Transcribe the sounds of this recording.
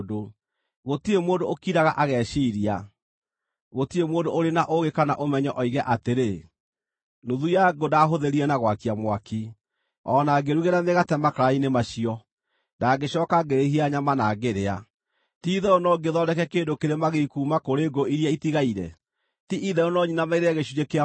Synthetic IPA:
do | ɣotiemoːndookiɾaɣaʔaɣɛʃiːɾia | ɣotiemoːdoːɾenaʔoɣekana̰ʔomɛɲɔʔɔiɣɛʔateɾe | nuðujaɡodaɦoðeɾiɛnaɣwakiamwaki | ɔːnaɡeɾuɣeɾameɣatɛmakaɾainemaʃiɔ | daːɡeɕɔːkaɡeɾehiaɲamanaːɡeɾea | tiðɛonɔɡeðɔdɛkɛkeːndokeɾemaɣeikuːmakoɾeːɡoiɾijaitiɣaiɾɛ̰ | tiʔiðɛonɔɲinamaiɾeaɣeʃuɾekea

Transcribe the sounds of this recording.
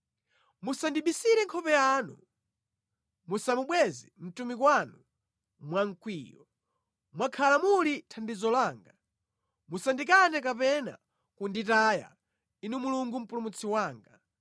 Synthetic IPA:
musandiɓisiɾɛŋkʰɔpɛjanṵ | musamuɓwɛzɛm̩tumikwanu | mwaŋ̩kwiːjɔ̰ | mwakʰalamulitʰandizɔlaːŋɡa | musandik̬anɛkapɛna̰ | kunditaːja̰ | inumuluŋɡum̩pulumut͡sʰiwaːŋɡa

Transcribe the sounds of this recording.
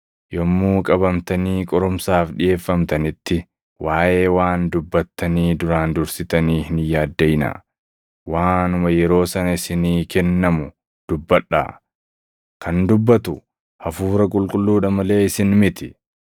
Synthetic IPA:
jɔmːuːkʼɐbɐmt̪ɐniːkʼɔɾʊmsaːfᶑɪje̞ːfːɐmt̪ɐnɪt̪ːɪ | waːjʔe̞ːwaːnd̪ʊbːɐt̪ːɐniːd̪ʊɾaːnd̪ʊɾsɪt̪ɐniːhɪnjaːd̪ːɐjɪna̰ | waːnʊmɐjɛɾo̞ːsɐnɐɪsɪniːkɛnːɐmʊ | d̪̥ʊbːɐᶑːa̰ː | kɐnd̪ʊbːɐt̪ʊ | hɐfuːɾɐkʼʊlkʼʊlːuːᶑɐmɐle̞ːɪsɪnmɪt̪ɪ

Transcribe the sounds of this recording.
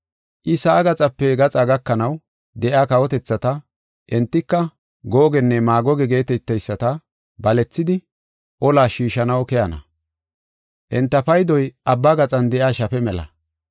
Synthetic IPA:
ʔɪsaːɡɐt͡sʼɐpːɛɡɐt͡sʼaɡɐkːɐnɐw | d̪ɛʔjaːkɐwɔt̪ɛt͡sːɐt̪ɐ | ʔɛnt̪ːɪkːɐ | ɡoːɡɛnːɛmaːɡɔɡɛɡe̞ːt̪ɛt̪ːɛjsːɐt̪ɐ | bɐlɛt͡sːɪd̪ɪ | ʔɔlaːʃiːʃɐnɐwkɛjɐnɐ̰ | ʔɛnt̪ːɐpɐjd̪ɔjʔɐbːaɡɐt͡sʼɐnd̪ɛʔjaːʃɐpɛmɛlɐ̰

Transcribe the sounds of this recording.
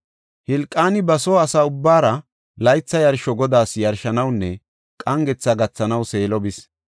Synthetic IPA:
hɪlkʼːaːnɪbɐsoːɐsaʊbːaːɾɐ | lɐjt͡sːɐjɐɾʃɔɡɔd̪aːsjɐɾʃɐnɐwnːɛ | kʼɐŋɡɛt͡sːɐɡɐt͡sːɐnɐwse̞ːlɔbɪs

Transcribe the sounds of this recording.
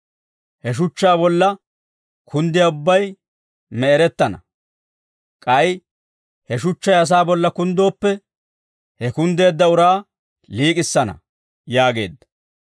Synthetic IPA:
hɛʃ̬ʊt͡ʃːaːbɔlːɐ | kʰʊnd̪ɪjaʊbːɐj | mɛɛɾɛt̪ːɐnɐ | kʼɐj | hɛʃʊt͡ʃːɐjɐs̬aːbɔlːɐkʊnd̪o̞ːpːɛ | hɛkʊnd̪e̞ːd̪ːɐʊɾaː | liːkʼɪsːɐnɐ̰ | jaːɡe̞ːd̪ːɐ̥

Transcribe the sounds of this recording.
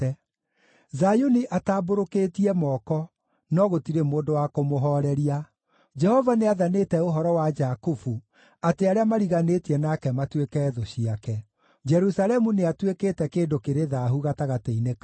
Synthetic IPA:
zajoniʔataːboɾoketiɛmɔːkɔ | nɔɣotiɾemoːndowakomoɦɔɾɛɾia | d͡ʒɛhɔvaneaðanetɛoɦɔɾɔwad͡ʒakufu | ateaɾeamaɾiɣanetiɛnakɛmatwekɛːðɔɕiakɛ | d͡ʒɛɾusalɛmuneatwekeːtɛkeːndokeɾeðaɦuɣataɣateinek

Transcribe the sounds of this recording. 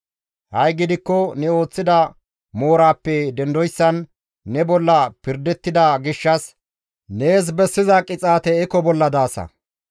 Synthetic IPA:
hɐjɡɪd̪ɪkːɔnɛo̞ːt͡sːɪd̪ɐ | mo̞ːɾaːpːɛd̪ɛnd̪ɔjsːɐnː | ɛbɔlːɐpɪɾd̪ɛt̪ːɪd̪ɐɡɪʃːɐs | ne̞ːs̬bɛsːɪzɐkʼɪt͡sʼaːt̪ɛɛkːɔbɔlːɐd̪aːsɐ̰

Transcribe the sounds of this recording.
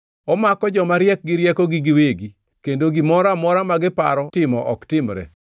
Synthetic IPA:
ɔmakɔd͡ʒɔmaɾjɛk̚ɡɪɾjɛkɔɡiɡiweɡi | kendoɡimɔɾamɔɾamaɡɪpa̰ɾɔtɪmɔʔɔktɪmɾɛ̰

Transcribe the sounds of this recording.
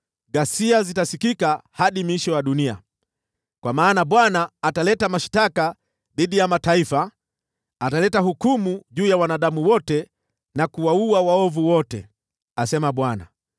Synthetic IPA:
ɡasiazitasikikahaɗimwiʃɔjaɗunia̰ | kwamaːnaɓwanaːtalɛtamaʃtaka | ðiɗijamataifa | atalɛtaɦukumuʄuːjawanaɗamuwɔtɛ | nakuwauawaɔvuwɔtɛ̰ | asɛmaɓwana̰

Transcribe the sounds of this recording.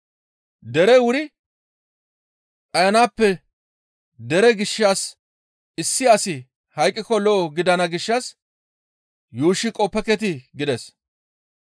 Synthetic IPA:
d̪ɛɾɛwʊɾɪ | ʔʼɐjɐnaːpːɛ | d̪ɛɾɛɡɪʃːaːs | ɪsːɪɐsɪ | hɐjkʼːɪkɔlɔːɡɪd̪ɐnɐɡɪʃːɐs | juːʃːɪkʼɔpːɛkɛt̪̬ɪɡɪd̪ɛs

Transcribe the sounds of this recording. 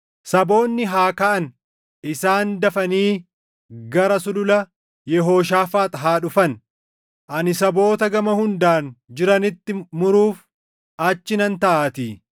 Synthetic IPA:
sɐbo̞ːnːɪɦaːkɐʔɐn | ɪsaːnd̪ɐfɐniː | ɡɐɾɐsʊlʊlɐ | jɛɦo̞ːʃ̬aːfaːt̪ɦaːᶑʊfɐn | ʔɐnɪsɐbo̞ːt̪ɐɡɐmɐhʊnd̪aːnd͡ʒɪɾɐnɪt̪ːɪmʊɾuːf | ɐt͡ʃːɪnɐnt̪ɐʔaːt̪iː

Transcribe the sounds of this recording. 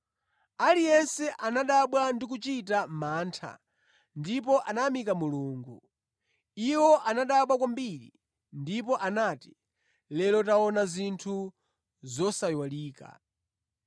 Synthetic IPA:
alijɛnsɛʔanaɗaɓwandik̬ut͡ʃitamaːntʰa̰ | ndip̬ɔʔanamikamuluːŋɡu | iwɔʔanaɗaɓwakwambiɾḭ | ndip̬ɔʔanati̥ | lɛlɔtaɔnazintʰu | zɔsajwaliːka̰

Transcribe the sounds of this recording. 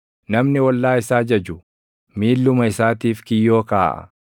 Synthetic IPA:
nɐmnɪwɐlːaːɪsaːd͡ʒɐd͡ʒʊ | miːlːʊmɐɪsaːt̪iːfkɪjːo̞ːkaːʔɐ̰

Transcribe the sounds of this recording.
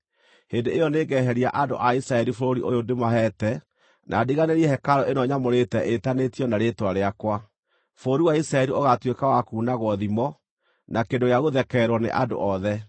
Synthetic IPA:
hendeejɔneɡɛɦɛɾia̰ʔado̰ʔaisɾaɛɾifoɾoɾiʔojodemaɦɛtɛ | nʔa̰ːdiɣaneɾiɛhɛkaɾɔʔenɔɲamoɾetɛʔetanetiɔnaɾetwaɾeakwa | foɾiwaisɾaɛɾioɣatwekawakuːnaɣwɔðimɔ | nakendojaɣoðɛkɛɾwɔnḛʔado̰ʔɔðɛ

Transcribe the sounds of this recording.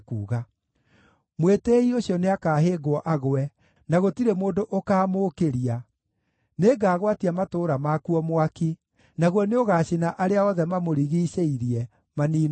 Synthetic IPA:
kuːɣa | mwetɛioɕjɔneakaːɦeːɡwɔʔaɣoɛ | naɣotiɾemoːndoʔokaːmoːkeɾia | neːɡaːɣwatiamatoːɾamakuɔmwaki | naɣwɔneoɣaːɕinaʔaɾeaɔðɛmamoɾiɣiʃeiɾiɛ | maniːn

